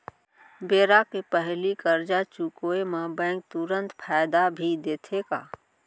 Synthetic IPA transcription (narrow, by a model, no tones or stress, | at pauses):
beːɾakepəɦlikəɾd͡ʒat͡ʃukoːemãbɛ̃ːŋk̚t̪ʊɾə̃nt̪pʰaːɪd̪abʱid̪eːt̪ʰekaː